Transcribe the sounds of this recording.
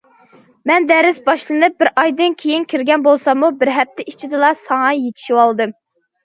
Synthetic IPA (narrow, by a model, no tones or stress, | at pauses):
mɛnd̪æɾɪsbɑʃlˠɨnɨp̚bɪɾɑjd̪ɨnkʲʰejinkʲʰiɾɡʲɛnbolˠsɑmubɪɾɦɛp̚t̪ʰɛʔit͡ʃʰid̪ɨlˠɑsɑŋɑjet̪ʰɪ̥ʃiwɑlˠɨd̪ɨm